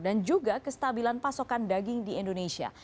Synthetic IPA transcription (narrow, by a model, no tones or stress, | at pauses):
dand͡ʒuɡakəst̪abilanpasokandaɡɪŋdiɛndonesia̰